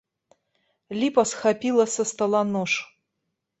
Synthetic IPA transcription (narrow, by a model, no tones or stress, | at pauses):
lʲipɐsxapʲilˠɐsɐst̪ɐlˠanoʂ